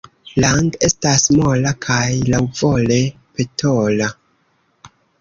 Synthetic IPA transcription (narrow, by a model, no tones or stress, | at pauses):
laŋɡe̞stasmolakʰajlawvole̞ | pe̞tʰola